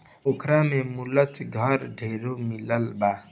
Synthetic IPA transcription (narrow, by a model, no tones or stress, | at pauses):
okʰɾamemulət̪ɡʱəɾɖʱeɾomiləlba